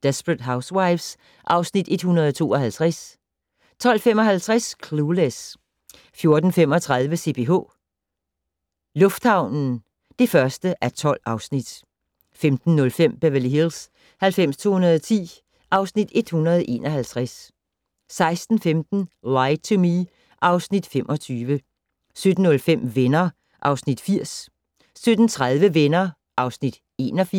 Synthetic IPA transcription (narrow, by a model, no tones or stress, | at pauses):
d̥esb̥ʁəd̥ɦäʊswɑ̈ɪʋs | ʔɑ̈ʊsnid̥e̝d̥hunɐð̞ˠɒt͡sʰo̝̰ːɒ̽ɦælt͡sʰʁas | t͡sʰɒ̽l̰femɒ̽ɦælt͡sʰʁaskʰlules | fjo̝ɐd̥n̩fem̰ɒ̽t͡sʰʁäð̞ˠʋəse̝̰ːb̥ʰe̝ɦo̝̰ | lɔ̽fd̥hɑ̈ʊ̰nn̩ | d̥e̝fɶɐsd̥əʔæɐt͡sʰɒ̽l̰ɑ̈ʊsnid̥ | femd̥n̩ːɔ̽lfem̰b̥eʋæliɦils | hælfem̰st͡sʰo̝̰ːhunɐðˠɒt͡sʰḭː | ʔɑ̈ʊsnid̥e̝d̥hunɐð̞ˠʔe̝̰ːnʔɒ̽hælt͡sʰʁasː | ɑ̈ɪsd̥n̩femd̥n̩ʁɑ̈ɪt͡sʰumi | ʔɑ̈ʊsnid̥fem̰ʔɒ̽t͡sʰyːʋə | sød̥n̩ːɔ̽lfem̰ʋenɐ | ʔɑ̈ʊsnid̥fiɐ̰s | sød̥n̩t͡sʰʁaðˠʋəʋenɐ | ʔɑ̈ʊsnid̥ | e̝̰ːnɒ̽fi